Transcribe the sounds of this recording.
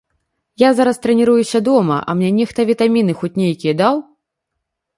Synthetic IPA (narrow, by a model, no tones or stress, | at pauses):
jazaɾɐst̪ɾɛnʲiɾujusʲɐd̪ɔmɐ̰ʔɐ̰mnʲɛnʲɛxt̪ɐvʲit̪amʲin̪ɨxɔt͡sʲnʲejkʲijɐd̪aw